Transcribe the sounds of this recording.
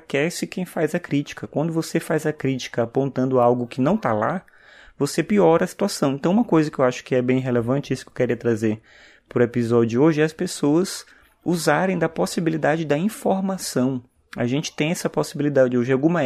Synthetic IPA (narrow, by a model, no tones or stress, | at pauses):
kɛsɪkẽj̃fajzɐkɾit͡ʃi̥kɐkwɐ̃nd̪ʊvosefajzɐkɾit͡ʃi̥kɐapõnt̪ɐ̃nd̪ʊawɡʊkɪnɐ̃w̃t̪ala̰ | vosepiɔɾɐsi̥t̪uasɐ̃w̃ẽnt̪ɐ̃w̃ũmɐkojzɐkɪewaʃʊ̥kɪɛbẽj̃ɦelevɐ̃nt͡ʃɪisʊ̥kewkeɾiɐt̪ɾazeɾ | pʊɾepizɔd͡ʒʊoʒɪɛɐspesoɐz | uzaɾẽj̃d̪ɐposibilid̪ad͡ʒɪd̪ɐĩfoɾmasɐ̃w̃ | ɐ̰ʒẽnt͡ʃɪ̥t̪ẽj̃ɛsɐposibilid̪ad͡ʒɪd͡ʒɪoʒɪawɡũmɐ